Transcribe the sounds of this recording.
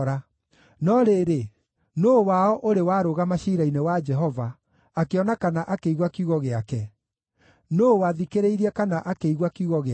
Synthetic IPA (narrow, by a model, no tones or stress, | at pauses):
ɾa | nɔɾeɾe | nowaɔʔoɾewaɾoɣamaɕiɾainewad͡ʒɛɦɔvaː | keɔnakanaʔakeiɣwakiuɣɔɣeakɛ | nowaðikeɾeiɾiɛkanaʔakeiɣwakuɣɔɣe